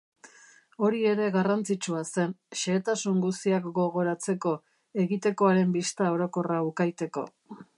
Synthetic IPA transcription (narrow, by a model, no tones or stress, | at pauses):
o̞ɾie̞ɾe̞ɣarant͡sit͡ʃuase̞nʃe̞ːt̪asuŋɡust̪iakɡo̞ɣ̞o̞ɾat͡se̞ko̞ | e̞ɣit̪e̞ko̞aɾe̞mbist̪ao̞ɾo̞ko̞raukajt̪e̞ko̞̰